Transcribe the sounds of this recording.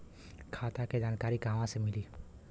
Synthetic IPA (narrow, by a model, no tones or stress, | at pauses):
kʰaːt̪aked͡ʒaːnkaːɾiɡaːmãsemɪliː